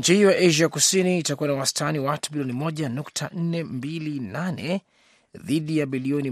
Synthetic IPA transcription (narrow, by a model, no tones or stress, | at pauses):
ɲt͡ʃihijɔjaʔɛʒakusiniːtakuwanawastʰaniwatu̥ɓiliɔnimɔʄanuktʰan̩nɛmbilinanɛ | ðiɗijaɓiliɔni